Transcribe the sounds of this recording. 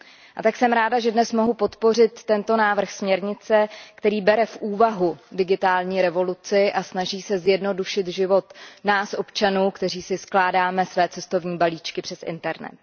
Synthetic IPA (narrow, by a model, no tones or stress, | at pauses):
ʔat̪aksɛmɾaːdaʒɛdnɛsmo̞ɦupo̞t̪po̞r̝ɪt̪ːɛnt̪o̞naːvr̩xsmɲɛɾɲɪt͡sɛkt̪ɛɾiːbɛɾɛfʔuːvaɦudɪɡɪt̪aːlɲiːɾɛvo̞lut͡sɪʔasnaʒiːsɛzjɛdno̞duʃɪt̪ʒɪvo̞t̪naːsʔo̞pt͡ʃanuːkt̪ɛriːsɪsklaːdaːmɛsvɛːt͡sɛst̪o̞vɲiːbaliːt͡ʃkɪpr̥ɛsʔɪ̰nt̪ɛɾnɛ̰t̪̚